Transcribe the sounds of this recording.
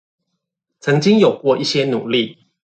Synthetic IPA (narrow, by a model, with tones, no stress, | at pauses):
t͡sʰɤ˨˧˦ŋt͡ɕi˦˥ŋjo˨˩ʊkwɔ˥˧ʔi˥˩ɕjɛ˦nṵ˨˩li˥˨